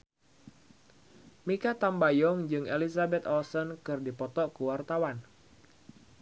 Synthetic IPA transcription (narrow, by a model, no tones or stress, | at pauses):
mikat̪ambajɔŋd͡ʒɨŋʔelisabɛt̪ɔlsɔnkɨrdipɔt̪ɔkuwart̪awan